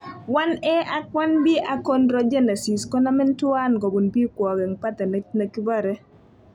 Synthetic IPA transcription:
wa˦nɛ˦ʔa˦kwa˦nbi˦ʔa˨ko˦nɾɔ˦d͡ʒɛ˦nɛ˨si˨skɔ˦na˦mɛ˦ntʊ˦a˦nko˨bu˨nbi˦kwɔ˨ɡɛ˨ŋpa˦t̪ɛ˨ne˨ne˨ki˦ba˦˨ɾɛ˦

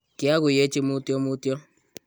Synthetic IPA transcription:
kɪ˦a˦ɣʊ˨je˦t͡ʃɪ˦mʊ˦tjɔ˦mʊ˦tjɔ˦

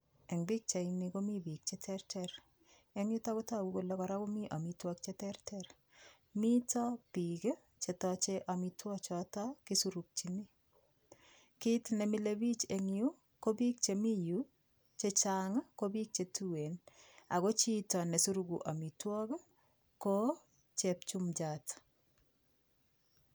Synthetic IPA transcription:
ɛ˨ŋbi˦k̚t͡ʃe˨ini˨ko˦mi˦bi˨k̚t͡ʃe˦tʰɛrtɛɾ | e˦ŋjʊ˦ta˦kʊ˦ta˦˨ɡu˦ko˨lɔ˦kɔ˨ɾa˦ko˦mi˦ʔa˨mi˨twɔ˦k̚t͡ʃe˦tɛɾtʰɛɾ | mi˦tɔ˦pi˨k | t͡ʃe˨tɔt͡ʃe˦ʔa˨mi˨twɔ˦t͡ʃɔtɔ˦ki˦su˦ɾu˨k̚t͡ʃi˨ni˦ | ki˦tnɛ˨mi˦le˦bi˦t͡ʃe˨ŋju˦ | ko˦bi˦k̚t͡ʃemi˦ju | t͡ʃe˦t͡ʃaŋko˦bi˦k̚t͡ʃe˨tu˦we˨na̰˨ko˦t͡ʃi˦tɔ˨ne˨su˦ɾu˦ɡuʔa˨mi˨twɔ˦k | ko˦ | t͡ʃɛp̚t͡ʃu˦md͡ʒat

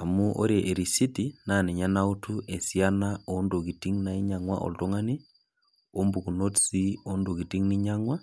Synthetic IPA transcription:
a˨mu˦ʔo̰˦ɾe˨ʔe˨ɾi˨si˦tina˨ni˨ɲa˦na˦u˦tu˦e˨si˦a˦nao˦ndo˨ki˨ti˦ŋna˨i˦ɲa˨ŋwa̰˦ʔo̰˨lto˦ŋa˦ni˦ | o˦mbu˨ku˨no˦tsi˦o˦ndo˨ki˨ti˦ŋni˦ɲa˦ŋwa˦

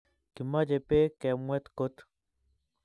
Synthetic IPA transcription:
ki˨ma˦d͡ʒe˨pe˦kɛ˨mwɛ˦t̪ko˦t̪

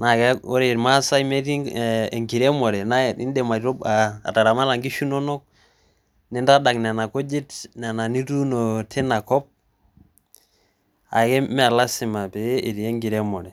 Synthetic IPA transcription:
na˨ka˦o˦ɾe˨ɾma˦sa˦me˦ɾi˦˨ŋɡi˨ɾɛ˦mɔ˨ɾɛ˨na˦˨i˦ndɛ˨ma˨ɾo˦ba̰ː˨ta˨ɾa˨ma˦la˨ŋɡi˦ʃu˦nɔ˦nɔ˦k̚ | nɛ˦nda˦da˨kn˨a˨na˨ko˦d͡ʒi˦tn˨a˨na˨ni˦tu˦no˨tʰɛ˦na˨kɔ˦p̚ | a̰˨kɛ˦mɛ˦a˨la˦sɪ˨ma˨peː˨˦˨ɾi˨e˦ŋɡi˨ɾɛ˦mɔ˨ɾɛ˨

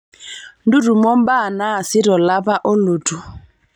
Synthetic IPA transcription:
ndu˦ɾu˨mɔ˦m˦ba˦˨na˦a˨sɪ˦ɾɔ˨la˦βa˦ʔo˦lu˨tʰu˨

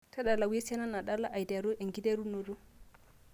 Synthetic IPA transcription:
ta˦ɗa˨lːa˨we˦sa˦na˦na˨ɗa˦lːa˦ʔa˨jda˨ɾɔ˦ʔɛ˨ŋɡi˦de˦ɾu˦no˨du˦

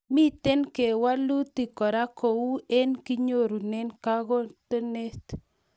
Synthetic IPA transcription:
mi˦t̪e˦nke˨wa˦lu˦t̪i˨kɔ˨ɾa˦ko˨u˦ɛ˦nki˦ɲo˦˨ɾu˨nɛ˦nka˦ɣɔ˦t̪ə˦ne˦t̪

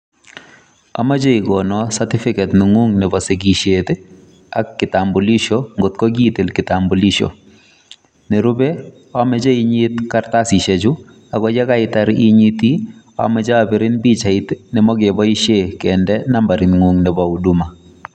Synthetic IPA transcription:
a̰˨ma˦d͡ʒe˦i˨ɡɔ˨nɔsa˦tɪ˦fɪ˦kɛ˨tnɪ˨ŋu˦ŋnɪ˨bɔ˨se˨ɡi˨ʃet̪ | a̰˦kːɪ˨ta˨mbu˨li˦ʃo˦ŋɡo˨t̪̚kɔ˦ɡi˦t̪e˨lkɪ˨tambo˨li˦ʃo̰˨ | nɪ˨ɾu˦be˦ | ɔ˦mɛ˦d͡ʒe˦i˦ɲi˦t̪kaɾt̪a˦si˨ʃe˨d͡ʒu˦ | a˨ɡɔ˦d͡ʒɛ˦ka˦ɪ˦t̪a˨ɾi˦ɲi˦t̪i˦ | ɔ̰˦mɛ˨d͡ʒa˦a˨bɪ˨ɾɪ˦nbi˦t͡ʃa˨ɪ˦t̪nɪ˨mɔ˦ɡe˨bɔ˦i˦ʃe˦˨kendɛ˦na˦mba˨ɾɪ˨nŋu˨ŋnɪ˨bɔ˨u˨du˦ma˨

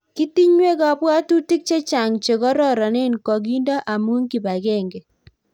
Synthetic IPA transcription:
ki˦ti˦ɲwe˦kɔ˨bwa˦tu˦ti˦k̚t͡ʃe˦t͡ʃa˨ŋt͡ʃe˨kɔ˦ɾɔ˦˨ɾɔ˨nɪ˦nkɔ˨ɡ̬i˦ndɔ˦ʔa˨mu˦ŋki˨ba˨ɡɛ˦ŋɡe˨

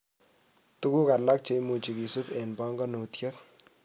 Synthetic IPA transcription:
tu˦ku˦ka˨la˦k̚t͡ʃe˨mu˨t͡ʃi˨ki˨su˦pe˨nbɑ˦ŋɡɔ˦no˨tjɐ˦k̚

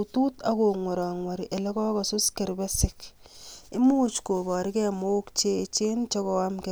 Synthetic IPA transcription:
utuː˦ta˦koː˨ŋwɔ˨ɾaː˨ŋwa˨ɾiʔe˨lɛ˦kɔ˦ka˨sʊ˦skɛɾbɛsɪk | e˦muː˦t͡ʃko˨baː˨ɾi˦kɛmo˦kt͡ʃe˦˨t͡ʃe˦nt͡ʃɔ˦kɔamke˨

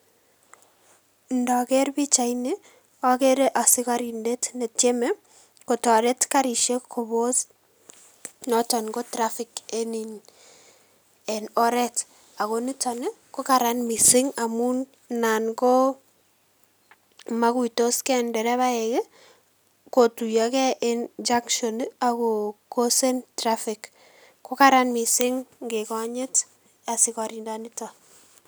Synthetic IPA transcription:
ndɔ˨kɛ˦ɾbi˦t͡ʃa˨ine˦ | ɔ˦ke˦ɾeʔa˨sɪ˦ka˦ɾi˨nde˦tne˨tje˦me˦ | ko˨tɔ˨ɾe˦tka˦ɾi˨ʃe˦kʰːo˨βo˦s | nɔtɔ˨nɡo˦tɾafɪ˨keni˨ɲ | ɛ˨nɔ˦ɾɛt | a˨ɣo˦ni˦tɔ˨ne˦ | ko˦ka˨ɾa˦nmi˨sɪ˦ŋa˨mu˦n | na˨nɡo˦ | ma˦ku˦i˨to˦skɛ˦ndɛ˨ɾɛ˦βa˦e˨ke˦ | ko˨tu˨jɔ˨kɛ˦ʔi˦nd͡ʒa˦ŋkʃo˨na˨ko˨ko˦se˦ntɾa˦fɪ˨k | ko˦ka˨ɾa˦nmi˨sɪ˦ŋŋɡe˨kɔ˦ɲɪ˦t | a˨sɪ˨kɔ˨ɾi˨nda˦ni˦tɔ˨

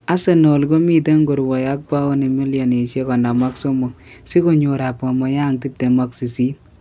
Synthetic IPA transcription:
a˦se˨nɔ˨lko˦mi˦te˦ŋɡo˨ɾwɔ˨ja˦k̚pa˦o˦ni˨mi˦ljo˨ne˨ʃe˦kɔ˨nda˨ma˦kso˦mo˨ŋ̚si˦ko˦ɲo˨ɾa˨pa˨mɔ˨ja˦ŋti˦p̚te˨ma˦ksi˨si˦t̚

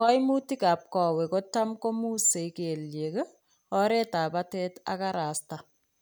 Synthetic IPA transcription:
ɔ˦jmu˦ti˦kaː˨p̚kɔ˨wɛ˨ko˦ta˦mko˦muː˦se˨ke˨lje˨k | ɔ˦ɾe˦ta˨patɛ˦ta̰˦ka˦ɾa˨sta˨

